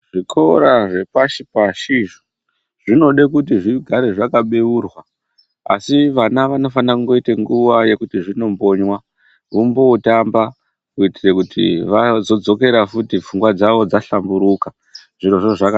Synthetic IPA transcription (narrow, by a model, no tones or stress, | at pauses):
ʐ̥ikʰoɾaʐe̞paʃipaʃiʐo | ʐ̥ino̞ɗekutiʐiɡʱaɾe̞ʐakaɓeuːrwa | a̰siʋanaʋano̞fanakuŋɡoiteŋɡuʋaje̞kutiʐino̞mbo̞ɲwa | ʋumboːtamba | kuitire̞kutʰḭʋad͡zo̞d͡zo̞ke̞ɾafutifuŋɡwad͡zaʋo̞d͡zaɬambuɾuka | ʐiro̞ʐoʐaka